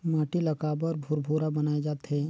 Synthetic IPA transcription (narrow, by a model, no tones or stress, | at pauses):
maːʈilɐkaːbɐɾbʱʊɾbʱuːɾabɐnaːed͡ʒaːt̪ɦɛ